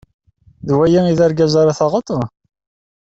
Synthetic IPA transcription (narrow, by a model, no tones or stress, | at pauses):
ðwæjiiðæɾɡæzaɾaθɑʁət̪ˤ